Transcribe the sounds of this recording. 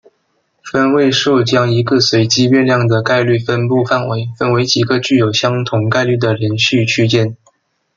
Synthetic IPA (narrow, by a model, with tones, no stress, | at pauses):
fə˥nwe˥˧ɪʂu˥˩t͡ɕjɑ˥ŋi˧˥ɡə˥˧swe˧˥ɪt͡ɕi˥ɥɛ˥˧nljɑ˥˩ŋd̪ə˩ka˥˧ɪly˥˩fə˥npu˥˧fa˥˩nwe˧˥ɪfə˥˩nwe˧˥ɪt͡ɕi˨˩ɡə˧˦t͡ɕy˥˩jo˨˩ʊɕjɑ˥ŋt̪ʰʊ˧˥ŋka˥˧ɪly˥˩d̪ə˩ljɛ˧˥nɕy˥˧t͡ɕʰy˥t͡ɕjɛ˥˩n